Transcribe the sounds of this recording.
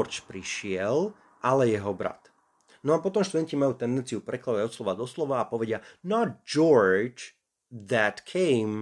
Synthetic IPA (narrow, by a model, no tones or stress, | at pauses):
ɾt͡ʃpɾiʃɪɛl | ʔalɛjɛɦɔbɾa̰t̪ | nɔapɔt̪ɔmʃt̪ud̪ɛncimajuːt̪ɛnd̪ɛnt͡siupɾɛklad̪aɔslɔʋad̪ɔslɔʋaːpɔʋɛɟɪanɔd͡ʒɔɹd͡ʒ | ðæt̪kʰɛɪm